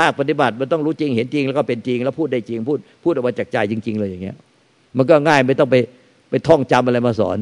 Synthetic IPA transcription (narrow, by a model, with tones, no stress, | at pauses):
pʰaː˥˩k̚pa˧t̪̬i˨˧˩ba˨˩t̪̚ma˧nt̪ɔ˥˩ŋɾuː˦˥t͡ɕi˧ŋhe˩˦nt͡ɕi˧ŋlɛː˦˥˩kɔː˥˩pe˧nt͡ɕi˧ŋlɛ˦˥wpʰuː˥˩t̪̚da˥˩jt͡ɕi˧ŋpʰuː˥˩t̪̚pʰuː˥˩t̪ʔɔ˨˩kmaː˧t͡ɕaː˨˩k̚t͡ɕa˧jt͡ɕi˧ŋt͡ɕi˧ŋlɤː˧jaː˨˩ŋːi˦˥ɐʔ | ma˧nkɔː˥˩ŋaː˥˩jma˥˩jt̪ɔ˥˩ŋpa˧j | pa˧jt̪ʰɔ˥˩ŋt͡ɕa˧mʔa˧ɾa˧jmaː˧sɔ̰ː˩˦n